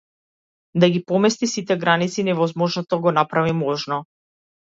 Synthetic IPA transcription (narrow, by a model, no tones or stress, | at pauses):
d̪aɡipɔmɛst̪isit̪ɛɡɾanit̪sinɛvɔzmɔʒnɔt̪ɔɡɔnapɾavimɔʒnɔ